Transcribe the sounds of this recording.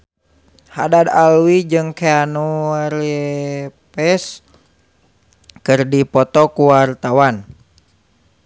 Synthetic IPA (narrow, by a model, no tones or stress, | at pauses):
hadad̪alwid͡ʒɨŋkeanuɾɛpɛs | kɨrdipɔt̪ɔkuwart̪awan